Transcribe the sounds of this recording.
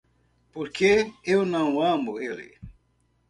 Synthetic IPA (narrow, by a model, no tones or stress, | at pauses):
poɾkʰeewnɐ̃w̃ɐ̃moelɪ̰